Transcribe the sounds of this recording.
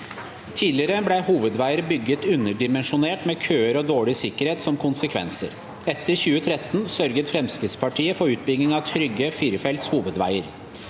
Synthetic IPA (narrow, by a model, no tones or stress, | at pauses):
t̪ʰiːd̪lɪəɾəblæhuːʋəd̪ʋæɪəɾbʏɡːət̪ʉnːəɖɪmɛnʂʊneːʈmeːkʰøːəɾɔd̪oːɭɪsɪkːəɾheːt̪sɔmkʰʊnsəkʰʋɛ̰nsə̰ɾ | ɛt̪ːəɾçʉːət̪ʰɾɛt̪ːnsœɾɡət̪fɾɛmskɾɪt̪spʰɑʈʰiːəfɔɾʉːt̪̚bʏɡnɪŋɑʋt̪ʰɾʏɡːəfɪɾfɛlt̪shuːʋəd̪ʋæ̰ɪəɾ